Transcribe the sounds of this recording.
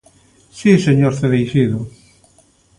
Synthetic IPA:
siseɲoɾθeβejʃiðʊ

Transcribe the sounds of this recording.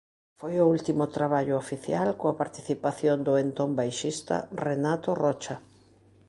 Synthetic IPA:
fojʊult̪imʊt̪ɾaβaʎʊofiθjalkoɐpaɾt̪i̥θipaθjond̪ʊent̪ombajʃist̪a̰renat̪oʊrɔt͡ʃa

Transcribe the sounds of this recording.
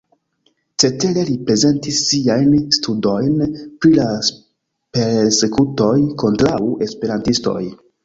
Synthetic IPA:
t͡se̞te̞ɾe̞lipɾe̞ze̞ntisːiajnstʰudo̞jnpɾilas | pe̞ɾse̞kuto̞jko̞ntɾawuʔe̞spe̞ɾantisto̞̰j

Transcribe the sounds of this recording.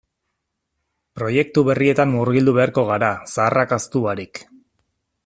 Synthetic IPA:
pɾo̞je̞k̚t̪uβe̞rie̞t̪anmuɾɣild̪uβe̞aɾko̞ɣ̞aɾasaːrakast̪uaɾik

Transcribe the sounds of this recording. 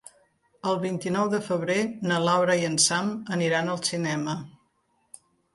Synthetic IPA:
əlˠβint̪inɔwðəfəβ̞ɾenəlawɾəiənsaməniɾanəlˠsinɛmə

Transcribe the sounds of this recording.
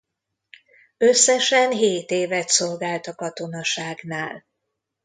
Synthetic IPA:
øsːɛʃɛnɦeːt̪eːvɛt̪so̞lɡaːlt̪ɒkɒt̪o̞nɒʃaːɡnaːl

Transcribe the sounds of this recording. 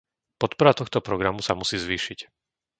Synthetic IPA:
pɔt̪̚pɔɾat̪ɔxt̪ɔpɾɔɡɾamusamusiːzʋiːʃic

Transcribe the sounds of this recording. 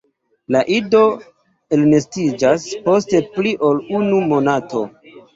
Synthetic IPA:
laʔido̞ | elnestid͡ʒaspo̞ste̞pliʔo̞lunumo̞nato̞̰

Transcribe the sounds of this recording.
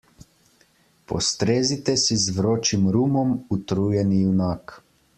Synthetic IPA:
pɔ̰st̪ɾeːzit̪ɛsizʋɾoːt͡ʃimɾuːmɔmut̪ɾujɛnijunaːk

